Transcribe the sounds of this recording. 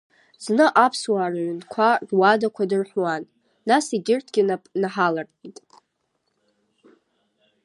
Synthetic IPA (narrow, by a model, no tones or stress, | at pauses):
znɨʔapʰswaːraɥʷʏnkʷʰadwadakʷʰadɨrħʷwanː | asiɡʲɪrtʰɡʲɪnapʼnaħalartʼitʼ